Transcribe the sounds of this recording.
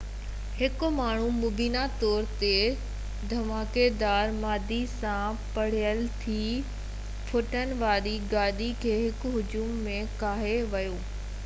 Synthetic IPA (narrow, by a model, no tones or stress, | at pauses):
hɪkʊ̆maːɳ̤umʊbiːnat̪ɔːɾt̪e | d̪ʱɐmaːked̪aːɾmaːd̪ʱisãpɐɽ̤ijəlt̪ʰiː | pʰʊʈʰən̆ʋaːɾiɡaːɗ̪ikʰeːɦɪkɦʊd͡ʑuːmːẽkaːɦeʋɐjoː